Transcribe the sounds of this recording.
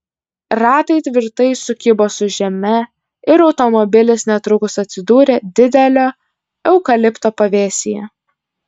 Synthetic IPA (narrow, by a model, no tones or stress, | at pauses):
ɾɑːt̪ɐɪt̪ʲʋʲɪɾt̪ɐɪsʊkʲɪboːsʊʒʲɛmʲɛ | ɪɾɒʊt̪ɔmɔbʲɪlʲɪsnʲɛt̪ɾʊkʊsɐt̪ʲsʲɪd̪uːɾʲeːd̪ʲɪd̪ʲɛlʲoː | ɛʊkɐlʲɪpt̪oːpɐʋʲeːsʲɪjɛ